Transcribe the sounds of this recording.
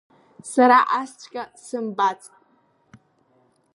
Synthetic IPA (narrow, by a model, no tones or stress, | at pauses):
saɾaʔast͡ʃʷʰʼkʲʼasɨmbat͡sʼ